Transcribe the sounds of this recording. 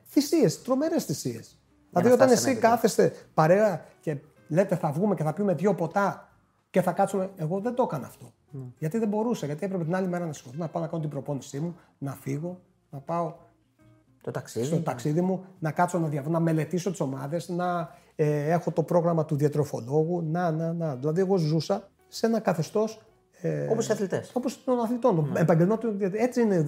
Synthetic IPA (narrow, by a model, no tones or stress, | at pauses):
θisie̞st̪ɾo̞me̞ɾesθisie̞̰s | iɐðiot̪ɐnesikɐθe̞st̪e̞pɐɾe̞ɐce̞ | le̞t̪e̞θɐvɣume̞ceθɐpjume̞ðʝo̞po̞t̪ɐ | ceθɐkɐt̪sume̞eɣo̞ðe̞nd̪okɐnoɐft̪o̞ | ʝɐt̪iðe̞mbo̞ɾuseʝɐt̪iepɾe̞pet̪inɐlime̞ɾɐnɐsi̥xo̞θonɐpɐonɐkɐno̞t̪ibɾo̞po̞nisimu | nɐfiɣo̞ | nɐpɐo̞ | t̪ot̪ɐksisot̪ɐksiðimunɐkɐt̪so̞nɐðʝɐvenɐme̞le̞t̪iso̞t̪i̥so̞mɐðe̞znɐ | e̞xo̞t̪o̞pɾo̞ɣɾɐmɐt̪uðiɐt̪ɾo̞fo̞̰lo̞ɣunɐnɐnɐðilɐðie̞ɣo̞zusɐ | se̞nɐkɐθe̞st̪o̞s | eoposiɐθlit̪eso̞post̪onɐθlit̪o̞noebɐɲɟe̞lnot̪ðiɐe̞t͡siine